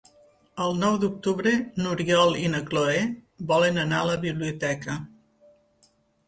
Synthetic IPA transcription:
əlˠnɔwd̪uk̚t̪uβɾenuɾiɔlˠinəkloe | bɔlənənaləβiβliut̪ɛkə

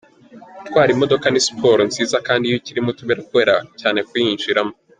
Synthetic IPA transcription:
twaːɾimo̞do̞kanisi̥pʰo̞ːɾonziːzakaːndijociɾimotuβeɾakuβe̞ːɾacaːne̞kwinʒiɾamo

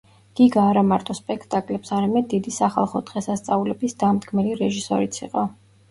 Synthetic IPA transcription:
ɡ̥iɡaːɾamaɾt̪ʼɔspʼɛkʰt̪ʼakʼlɛpsaɾamɛd̪ːid̪isaχa̰lˠχɔd̪̥ʁɛsast̪sʼaulɛbisd̪̥amd̪ɡmɛliɾɛʒisɔɾit̪sʰḭqʼɔ

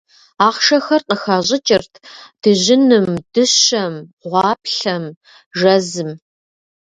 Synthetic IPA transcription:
aːχʃɐxɐrqʼəxaːʑʼɪt͡ʃʼɪrtʰd̥ɨʑɪnɨmd̥ɨɕɐmʁʷɑːpɬɐm | ʒɐzɨm

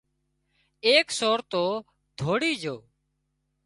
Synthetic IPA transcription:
eːksoːɾt̪oː | d̪ʱoːɽiːd͡ʒoː

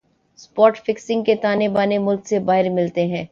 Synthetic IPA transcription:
spɔːʈfɪksɪ̃ŋɡket̪aːnebaːnemʊlksebaːɦɪɾmɪlt̪eɦɛ̃ː

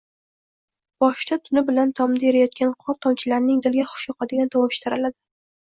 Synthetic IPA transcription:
b̥ɒʃt̪at̪ʰʊnɪbɪlant̪ʰɒmd̪ajeɾajɒt̪̚kʲanqʰɒɾt̪ʰɒmt͡ʃʰɪlaɾnɪŋd̪ɪlɡʲaχʊ̥ʃjɒqʰɑd̪ɪɡʲant̪ʰɒwɒʃt̪ɪɾalad̪ɪ

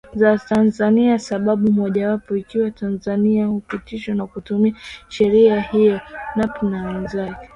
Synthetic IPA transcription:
zatanzaniasaɓaɓumɔʄawapɔikiwatanzaniahupitiʃanakutumiaʃɛɾiahijɔnapnanzaj

